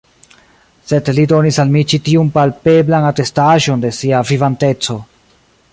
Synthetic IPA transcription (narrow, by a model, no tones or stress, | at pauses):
se̞dlido̞nisalmit͡ʃitiumpalpe̞blanate̞staʒo̞nde̞siavivante̞t͡so̞